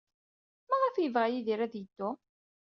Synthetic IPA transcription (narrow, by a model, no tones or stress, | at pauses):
mæʁæfjəvʁæjiðiɾæðjəd̪̥ːʊ